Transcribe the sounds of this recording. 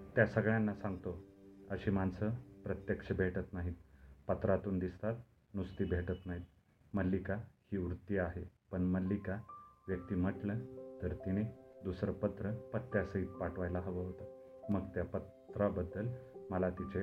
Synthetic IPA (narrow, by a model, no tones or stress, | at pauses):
t̪jasəɡɭjanːasãŋɡt̪oəɕiːmansəpɾət̪jəkʂəbʱeʈət̪naɦiːt̪̚pət̪ɾat̪uːnd̪ist̪at̪ | nust̪iːbʱeʈət̪naɦiːt̪̚ | məlːikahiːɾut̪ːiaɦepəɳməlːikaʋjək̚t̪iːm̤əʈlət̪əɾt̪iɽ̃ed̪usɾəpət̪ɾəpət̪ːjasəit̪̚paʈʋajlaɦəʋəɦot̪ə | məɡt̪japə | t̪ɾabəd̪ːəlməlat̪it͡ɕe